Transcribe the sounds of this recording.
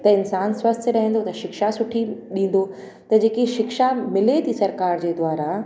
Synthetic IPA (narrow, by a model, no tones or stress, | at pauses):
t̪ɐɪnsaːnswɐst̪ʰɪ̆ɾɐɦɛ̃n̆d̪ot̪ɐʃɪkʃasʊʈʰiɗĩːn̆d̪o | t̪ɐd͡ʑeːkiʃɪkʃamɪlet̪ʰisɐɾkaːɾd͡ʑeːd̪waːɾa